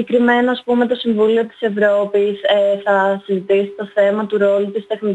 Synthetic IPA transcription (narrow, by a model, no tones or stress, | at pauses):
ekɾime̞noɐspume̞t̪o̞siɱvulio̞t̪i̥se̞vɾo̞piseθɐsizit̪isit̪oθe̞mɐt̪uɾo̞lut̪ist̪e̞xni